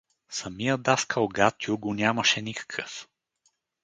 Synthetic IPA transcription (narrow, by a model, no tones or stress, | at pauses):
sɐmijəd̪askəlˠɡat̪ʲjuɡʊnʲjaməʃɛnʲikə̥kʰəf